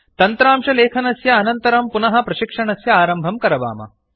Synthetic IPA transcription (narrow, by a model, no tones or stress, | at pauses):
t̪ɐnt̪ɾaːmʂɐleːkʰɐnɐsjɐːnɐnt̪ɐɾɐmpunɐɦɐ̆pɾɐʃikʂɐɳɐsjɐaːɾɐmbʱɐmkɐɾɐʋa̰ːmɐ̰